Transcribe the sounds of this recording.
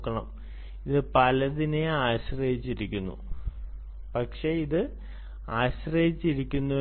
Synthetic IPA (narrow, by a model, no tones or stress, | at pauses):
kːɐɳɐ̰m | iðɨpɐlɐðineaːɕrɐɦit͡ɕːiɾikʲːunːṵ | pɐkʂe̞iðɨ | aːɕrɐhit͡ɕːiɾikʲːunːu